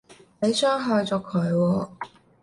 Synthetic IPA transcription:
le˨˧jsœː˥ŋɦœː˧jt͡sɔː˨˧kʰɵ˨˧ɥwɔː˧

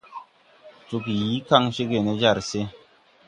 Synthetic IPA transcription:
t͡ʃu˨ki˨ji˨˦ka˦˨ŋʃe˦ke˨ne˦d͡ʒa˦˨ɾse˦

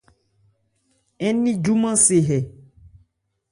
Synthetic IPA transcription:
ɛ˦nĩ˦d͡ʒu˦mã˦se˨ɦɛ˨

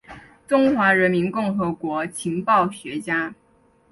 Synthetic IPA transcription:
ʈ͡ʂʊ˥ŋxwa˧˥ɻə˧˥nmi˧˥nkʊ˥˩ŋxɤ˧˥kwɔ˧˥t͡ɕʰi˧˥ŋpɑ˥˩ʊɕɥɛ˧˥t͡ɕja˥

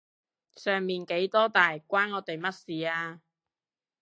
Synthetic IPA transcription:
sœː˨˩ŋmiː˨˩nke˨˥jt̪ɔː˥t̪aː˨jkʷwaː˥nŋɔː˨˥t̪e˨jmɐ˥t̚siː˨˥aː˧

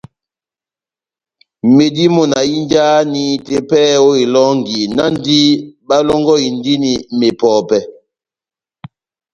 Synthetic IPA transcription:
me˨di˦mɔ˨na˨i˦nd͡ʒa˦ni˨te˨pɛː˦o˦i˨lɔ˦ŋɡi˨na˦n˦di˦ɓa˦lɔ˦ŋɡɔ˦i˨ndi˦ni˨me˨pɔː˨pɛ˨

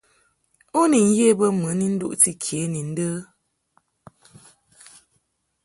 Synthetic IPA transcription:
o˦ni˨n̩˦je˦bə˦mɨ˨˦ni˦n̩˦dṵ˦ʔti˦kʰje˨˦ni˨n̩˦də˦

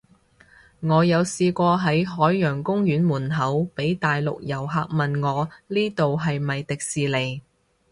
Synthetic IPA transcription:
ŋɔː˨˧jɐ˨˧wsiː˧kʷɔː˧ɦɐ˨˥jɦɔː˨˥jːœː˨˩ŋkʊ˥ŋjyː˨˥nmuː˨˩nɦɐ˨˥wpe˨˥jt̪aː˨jlʊ̰˨k̚jɐ˨˩wɦaː˧k̚mɐ˨nŋɔː˨˧liː˥t̪o˨wɦɐ˨jmɐ˨jt̪ɪ˨k̚siː˨le˨˩j

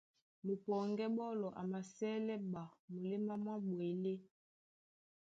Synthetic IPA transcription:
mo˨pɔ˨ŋɡɛ˦bɔ˦lɔ˨ʔa̰˨ma˨sɛ˦lɛ˦ba˨mo˨li˦ma˦mwa˦bwe˨le˦

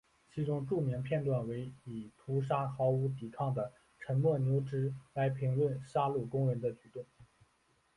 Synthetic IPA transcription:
t͡ɕʰi˧˥ʈ͡ʂʊ˥ŋʈ͡ʂu˥˩mi˧˥ŋpʰjɛ˥˧nt̪wa˥˩nwe˧˥ɪi˨˩t̪ʰu˧˥ʂ̬a˥xɑ˧˥ʊu˧˥t̪i˨˩kʰɑ˥˩ŋd̪ə˩ | ʈ͡ʂʰə˧˥nmwɔ˥˩njo˧˥ʊʈ͡ʂɻ̩˧˥la˧˥ɪpʰi˧˥ŋlwə˥˩nʂa˥lu˥˩kʊ˥ŋɻə˧˥nd̪ə˧t͡ɕy˨˩t̪o˥˩ŋ

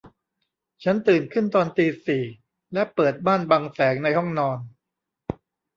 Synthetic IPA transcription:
t͡ɕʰa˦˥nt̪ɯː˨˩nkʰɯ˥˩nt̪ɔː˧nt̪iː˧siː˨˩ | lɛ˦˥pɤː˨˩t̪̚baː˥˩nbaː˧ŋsɛː˩˦ŋna˧jhɔ˥˩ŋnɔː˧n

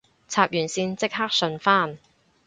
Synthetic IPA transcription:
t͡sʰaː˧p̚jyː˨˩nsiː˧nt͡sɪ˥k̚ɦaː˥k̚sɵ˧nfaː˥n

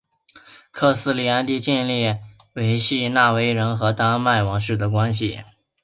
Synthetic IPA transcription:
kʰɤ˥˩sɹ̩˥˩li˧˥a˥nt̪i˥˧t͡ɕi˥˧nli˥˩ | we˧˥ɪɕi˥˧na˥˩we˥ɪɻə˧˥nxɤ˧˥t̪ɑ˥ŋma˥˩ɪwɑ˧˥ŋʂɻ̩˥˩d̪ə˩k̬wa˥nɕ̬ḭ˨˩

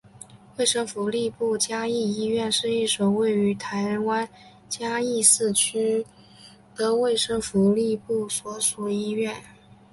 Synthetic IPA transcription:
we˥˩ɪʂɤ˥ŋfu˧˥li˥˧pu˥˩t͡ɕja˥i˥˩i˥ɥɛ˥˧nʂɻ̩˥˧i˥˩ʂo˨˩ʊwe˥˩ɪy˧˥t̪ʰa˧˥ɪɻə˧˥nwa˥n | t͡ɕja˥i˥˧sɹ̩˥˩t͡ɕʰy˥ | d̪ə˧we˥˩ɪʂɤ˥ŋfu˧˥li˥˧pu˥˩swɔ˧˥ʂu˨˩i˥ɥɛ˥˩n

